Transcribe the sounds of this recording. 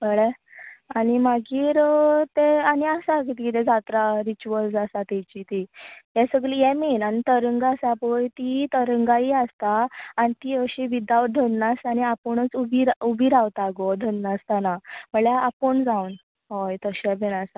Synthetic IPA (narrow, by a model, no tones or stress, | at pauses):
bəɭeanimaɡiːɾt̪eaniəsak̬it̪ikit̪ɛ̃d͡zat̪ɾaɾit͡ɕuəlsasat̪ɛt͡ɕit̪ijɛsəɡlijɛmenanit̪əɾəŋɡasapəjt̪it̪əɾəŋɡaiəst̪aːnit̪iːəɕibid̪aʋd̪ʱənːasañiapəɳət͡subʱiɾubʱiɾawt̪aɡod̪ʱənːast̪anaməɭjaapəɳd͡zaun | ɦojt̪əɕɛbenasa